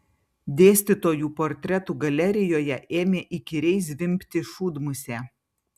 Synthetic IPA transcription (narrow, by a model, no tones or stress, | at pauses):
d̪ʲeːsʲt̪ʲɪt̪oːjuːpoːɾʲt̪ʲɾʲɛt̪uːɡɐlʲɛɾʲɪjoːjɛʔeːmʲeːʔɪkʲɪɾʲɛɪs̬ʋʲɪmʲpʲt̪ʲɪʃuːd̪mʊsʲeː